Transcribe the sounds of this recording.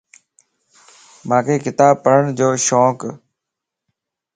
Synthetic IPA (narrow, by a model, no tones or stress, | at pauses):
mãːkʰeːkɪt̪aːb̚pəɾəɳd͡ʒoːʃoːk